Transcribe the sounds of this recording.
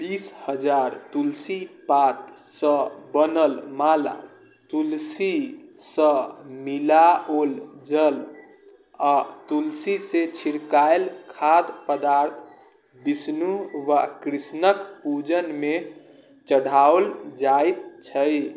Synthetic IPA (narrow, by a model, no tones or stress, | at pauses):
bishəd͡ʒaɾt̪ulsipat̪sə̃bənəlmala̰ | t̪ulsisə̃milaold͡ʒəl | at̪ulsiset͡ʃʰiɾkaelkʰad̪pəd̪aɾt̪ʰ | bisnuʋakɾisnəkpud͡ʒənme | t͡ʃəɽ̤ʱaold͡ʒajt̪̚t͡ʃʰəj